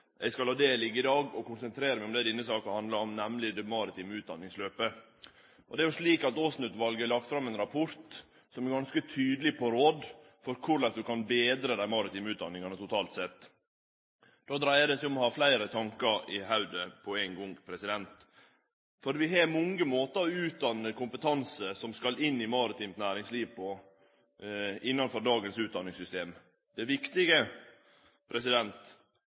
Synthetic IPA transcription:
ɛ̰ɪskɑlhɑːd̪eːlɪɡəɪd̪ɑːɡɔkʊnsɛnt̪ʰɾeːɾəmæɪʊmd̪ɛd̪ɪnːəsɑːkɑhɑnd̪lɑɾɔmnæmlɪd̪ɛmɑɾɪt̪ʰiːmʉːt̪̚d̪ɑnːɪŋsløːpə | ʔɔd̪ɛæɾjʊʂɭiːkɑt̪oːsnʉt̪ʋɑlɡəlɑk̚t̪fɾɑmɛɪnɾɑpʰɔɾt̪ | sɔmæɾɡɑnskət̪ʰyːd̪əlɪpʰɔɾoːd̪ | fɔɾkʰʊɾlɛsd̪ʉkʰɑnbeːd̪ɾəd̪æɪmɑɾɪt̪iːmʉːt̪d̪ɑ̰nːɪŋɑnət̪ʊt̪ʰɑːlt̪sɛt̪ː | d̪̥oːd̪ɾæɪəd̪ɛsæɪɔmɔhɑːflæɪɾət̪ʰɑŋkəɾɪɦɑʉd̪əpʰɔæɪŋɡɔŋpʰɾɛsɪd̪ɛnt̪ | fɔɾʋɪɦeːɾmɔŋːəmoːt̪əɾɔʉːt̪̚d̪ɑnːəkʊmpət̪ʰɑnsəsɔmskɑlɪnːɪmɑɾɪt̪ʰiːmt̪næːɾɪŋsliːʋpʰɔ | ɪnːɑnfɔɾd̪ɑːɡənsʉːt̪̚d̪ɑnːɪŋsʏst̪eːm | d̪̥ɛʋɪkt̪ɪɡə | pʰɾɛsɪd̪ɛnt̪

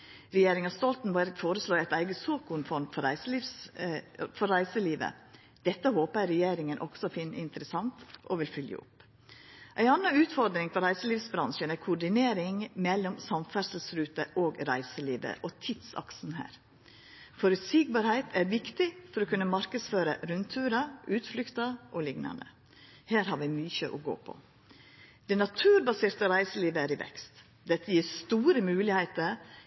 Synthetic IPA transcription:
ɾɛjeːɾɪŋɑst̪ɔlt̪n̩bæɾɡfoːɾəsloːæɪt̪æɪɡəsoːkʊnfɔɾmfɔɾæɪslis | fɔɾɾæɪsəliːʋə̰ | d̪̥ɛt̪ːəhoːpəæɪɾɛjeːɾɪŋənʔɔ̰ksɔfɪnːəɪnt̪ɾəsɑnt̪ʔɔ̰ʋɪlfʏljə̰ʊ̰pː | ʔæɪɑnːɑʉːt̪fɔɾd̪ɾɪŋfɔɾæɪsəliːʋsbɾɑnʃənæɾkʰʊɖɪneːɾɪŋmɛlːɔmsɑmfæsl̩sɾʉːt̪əʔoːɡɾæɪsəliːʋə̰ʔot̪ʰid̪sɑ̰ksn̩hæ̰ːɾ | fɔɾʉt̪siːɡ̚bɑɾhæɪt̪ʰæɾʋɪkt̪ɪfɔɾɔːkʉnːəmɑɾkəsføːɾəɾʉnt̪ʰʉːɾɑʔʉːt̪flʏkt̪ɑʔolɪŋnɑ̰nd̪ə̰ | hæːɾhɑːɾʋɪmyːçəʔɔ̰ɡo̰ːpʰɔ̰ | d̪̥ɛnɑt̪ʰʉːɾbɑseːɾt̪əɾæɪsəliːʋəæɾɪʋɛ̰kst̪ | d̪ɛt̪ːəjiːɾst̪uːɾəmʉːlɪhæɪt̪əɾ

